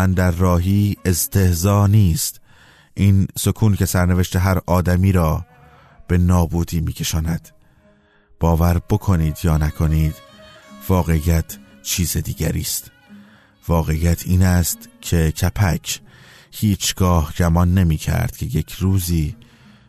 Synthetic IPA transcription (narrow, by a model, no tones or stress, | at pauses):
ænd̪æɾːɒːɦiːe̞st̪ʰe̞hzɒːniːst̪ | ʔiːnso̞kʰuːncʰe̞sæɾne̞ve̞ʃt̪e̞ɦæɾɒːd̪æmiːɾɒː | b̥e̞nɒːbuːd̪iːmiːcʰe̞ʃɒːnæd̪̥ | b̥ɒːvæɾb̥o̞kʰo̞niːd̪jɒːnækʰo̞niːd̪̥vɒːɣe̞ijæt̪ʰ | t͡ʃʰiːzed̪iːɡæ̰ɾiːst̪ | vɒːɣe̞ijæt̪ʰiːnæst̪cʰe̞cʰæpʰæcʰ | hiːt͡ʃʰɡ̥ɒːhɟæmɒnːe̞miːcʰæ̰ɾd̪̥̚kcʰe̞je̞cʰɾuːziː